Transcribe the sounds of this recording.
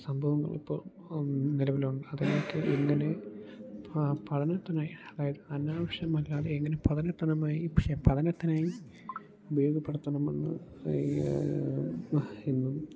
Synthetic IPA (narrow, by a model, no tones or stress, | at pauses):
sɐmbʱɐʋɐŋːɐ̰ɭḭpːo̞̰ːɭ | nilɐʋiluɳɖɨɐðlokːɨʔeŋːɐne | pɐɽɐnɐt̪ːɐnaːjiɐðaːjɐðɨɐnːaːʋɐʂjɐmɐlːaːðɨeŋːɐnepɐðɐnɐt̪ːɐnɐmaːjiʋiʂɐjɐmpɐðɐnɐt̪ːɐnaːji | ubɐjoːɡɐpːeɽɐt̪ːɐɳɐmenːɨ̰ | enːum